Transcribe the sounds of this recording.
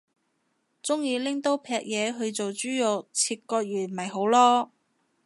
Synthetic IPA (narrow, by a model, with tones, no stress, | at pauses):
t͡sʊ˥ŋjiː˧lɪ˥ŋt̪o˥wpʰɛː˧k̚jɛː˨˧ɦɵ˧ɥt͡so˨wt͡ʃyː˥jʊ˨k̚t͡sʰiː˧t̚kɔː˧k̚jyː˨˩nmɐ˨jɦo˨˥wlɔː˥